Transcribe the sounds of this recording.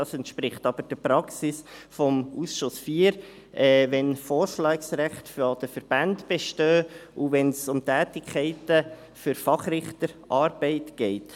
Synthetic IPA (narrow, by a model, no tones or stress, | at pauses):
ɑːsɛnt̪ʃpɾɪχtɑb̥əɾd̥əpɾɑksisfɔmusʃʊsfiːəɾ | ʔɛːʋɛnfɔːɾʃlɑːksɾæχtfod̥əfəɾb̥æntb̥eʃtøːuvɛnsʊmtæːtɪkʰχɛɪtə | fʏɾfɑχɾɪχt̪əɾʔɑːɾb̥ɛɪtɡ̥ɛɪt